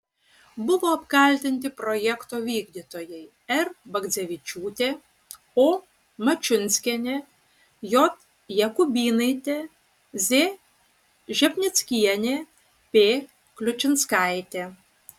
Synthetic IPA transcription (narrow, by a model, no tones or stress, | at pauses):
bʊʋoːɐpkɐlʲt̪ʲɪnʲt̪ʲɪpɾɔjɛkt̪oːʋʲiːɡd̪ʲit̪oːjɛɪ | ɛɾbɐɡd̪zʲɛʋʲɪt͡ʃʲuːt̪ʲe | oː | mɐt͡ʃʲʊnʲsʲkʲɛnʲe | jɔt̪ | jɛkʊbʲiːnɐɪt̪ʲe | zʲe | ʒʲɛpʲnʲɪt̪sʲkʲiɛnʲe | pʲe | klʲʊt͡ʃʲɪnskɑˑɪt̪ʲe